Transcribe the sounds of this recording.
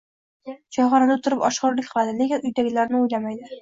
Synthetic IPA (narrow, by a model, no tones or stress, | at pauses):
d͡ʒɒʁɒnad̪aʊt̪ʰɪɾɪpɒʃqɑɾlɪkʲqʰɨlˠad̪ɪlekʲɪnʊjd̪aɡʲɪlaɾnɪʊjlamajd̪ɪ